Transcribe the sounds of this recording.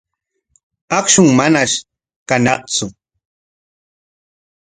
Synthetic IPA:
ɑχʃʊŋmanaʃ | kanɑqt͡sʊ

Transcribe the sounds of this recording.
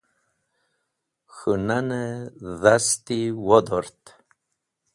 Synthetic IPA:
xənanəðast̪iwɔd̪ɔɾt̪

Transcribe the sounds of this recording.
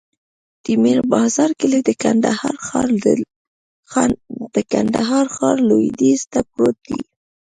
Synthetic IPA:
d̪̥imiɾbɑzɑɾkəlid̪əkand̪ahɑɾxɑɾ | d̪̥əkand̪aɦɑɾxɑɾlod̪izt̪apɾot̪̚d̪ḭ

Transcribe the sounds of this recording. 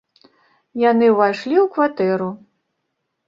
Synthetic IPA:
janɨvajʂlʲiwkvat̪ɛɾu

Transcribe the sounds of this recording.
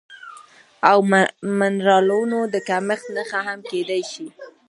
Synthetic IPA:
awmanɾɑlonod̪əkaməxt̪nəxaɦamked̪ajʃi

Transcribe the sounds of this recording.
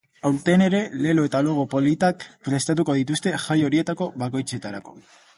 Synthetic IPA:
awɾt̪e̞ne̞ɾe̞le̞lo̞e̞t̪alo̞ɣ̞o̞po̞lit̪akpɾe̞st̪at̪uko̞ðit̪ust̪e̞xʝajo̞ɾie̞t̪ako̞βako̞jt͡se̞t̪aɾako̞̥̰

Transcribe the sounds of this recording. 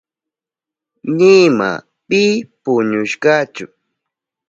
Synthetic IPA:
nɪma̰ | pɪpʊɲʊʃɢɑt͡ʃʊ

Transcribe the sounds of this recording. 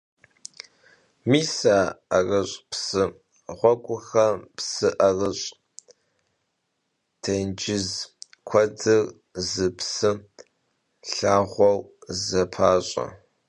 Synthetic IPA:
miːsaːarɐɕʼpsɨ | ʁʷɔkʷʼʊxɐpsɨʔɐrɨɕʼ | tʰend͡ʒɪz | kʷʰɐdɨr | zɨpsɨ | ɬaːʁʷɔwzɐpʰaːɕʼɐ̰

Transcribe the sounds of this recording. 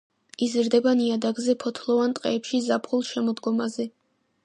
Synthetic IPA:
izɾd̪ɛbaniad̪aɡzɛpʰɔt̪ʰlˠɔvant̪ʼqʼɛːpʃizapʰχulˠʃɛmɔd̪ɡɔmazɛ

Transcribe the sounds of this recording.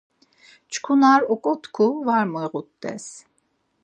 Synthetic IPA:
t͡ʃkʰunaɾɔkʼɔt̪ʰkʰuvaɾmɔjɣut̪ːɛ̰s

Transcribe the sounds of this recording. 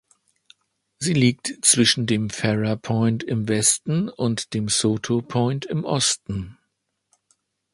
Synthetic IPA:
ziːliːk̚tt͡sv̥ɪʃn̩deːmfɛʁɐpʰɔʏntɪmvɛstn̩ʊntd̥eːmsoːtʰopʰɔ̃ʏntɪmʔɔstn̩

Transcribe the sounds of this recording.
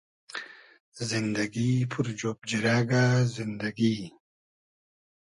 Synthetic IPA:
zind̪ɐɡipʰuɾd͡ʑoːp̚d͡ʑiɾaːɡaːzind̪ɐɡiː

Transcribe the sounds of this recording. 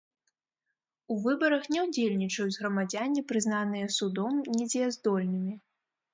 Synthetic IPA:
uvɨbɐɾɐxnʲɛwd͡zʲelʲnʲit͡ʂɐjuzɣɾɐmad͡zʲanʲːipɾɨznanɨjɐsud̪ɔmnʲɛd͡zʲɛɛzd̪ɔlʲnɨmʲi

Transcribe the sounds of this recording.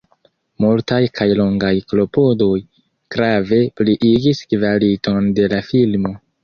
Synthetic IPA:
multajkʰajloŋɡajklo̞po̞do̞j | ɡ̥ɾave̞pliʔiɡiskvalito̞nde̞lafilmo̞

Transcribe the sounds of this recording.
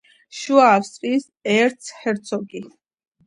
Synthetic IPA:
ʃuaːfst̪ʼɾis | ɛɾt̪sʰhɛɾt̪sʰɔɡi

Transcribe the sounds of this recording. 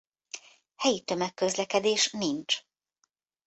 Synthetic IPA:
hɛjit̪ø̞mɛkːø̞zlɛkɛd̪eːʃnint͡ʃ

